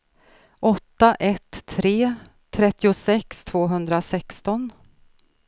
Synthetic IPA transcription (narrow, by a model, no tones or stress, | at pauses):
ʔɔt̪ːaʔɛt̪ʰːɾeː | t̪ʰːɾɛt̪ːɪʊsɛkst̪ʰv̥oːɦɵnd̪ɾasɛkst̪ɔn